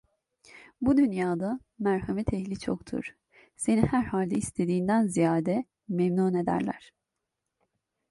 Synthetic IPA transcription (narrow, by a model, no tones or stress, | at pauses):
bud̪ynjaːd̪a | mæɾhamɛt̪ʰɛhlʲit͡ʃʰo̰kt̪ʰṵɾ̥ | se̞nihæɾhalʲd̪ɛist̪ʰe̞d̪iːnd̪ænzijaːd̪ɛ | memnuːne̞d̪æ̰ɾlʲæ̰ɾ̥